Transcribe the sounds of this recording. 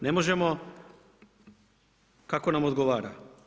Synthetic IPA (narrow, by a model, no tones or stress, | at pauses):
nemoʒemo | kako̞namod̪ɡoʋaːɾa